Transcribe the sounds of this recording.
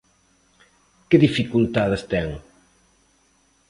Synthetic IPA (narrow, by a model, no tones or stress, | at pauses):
keðifikult̪aðest̪ɛŋ